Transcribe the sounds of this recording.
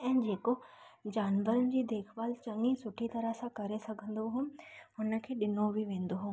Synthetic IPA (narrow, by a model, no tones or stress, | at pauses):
ɛ̃ːd͡ʑeːkod͡ʑaːnʋəɾənɪd͡ʑiːd̪eːkʰʋaːlt͡ɕɐ̃ŋĩsʊʈʰit̪ɐɾəɦsãkɐɾesɐɡʰʱə̃n̆d̪oɦʊ̃ːɦʊnə̆kʰeːɗɪnobʱiʋẽːn̆d̪oɦʊ̃ː